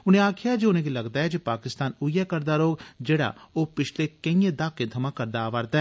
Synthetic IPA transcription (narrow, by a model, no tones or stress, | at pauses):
ʊnẽːaːkʰɪjaːd͡ʒeːʊnẽːɡiːləɡd̪aːɦɛːd͡ʒepaːkɪst̪aːnʊijɛːkəɾd̪aːɾoːɡd͡ʒeːɽa̰ːoːpɪt͡ʃʰleːkəĩːẽːd̪aːkẽːt̪ʰəmãːkəɾd̪aːʋaɾd̪aːɛː